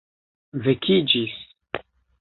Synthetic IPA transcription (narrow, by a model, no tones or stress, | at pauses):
vekʰid͡ʒis